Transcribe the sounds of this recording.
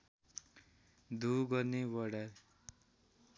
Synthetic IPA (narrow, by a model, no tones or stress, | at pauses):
d̪ʱuɡʌrnewʌɽa